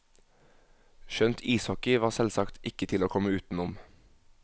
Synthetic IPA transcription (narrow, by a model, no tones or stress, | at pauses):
ʃœnt̪ʰiːshɔkɪʋɑːʁsɛlsɑkt̪ɪkət̪ʰɪloːkʰɔməʉːt̪n̩ʊm